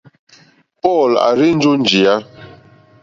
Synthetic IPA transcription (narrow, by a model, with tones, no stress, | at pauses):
pɔ˦˨la̰˨ɾi˦n̩˦d͡ʒo˦n˨d͡ʒi˨a˦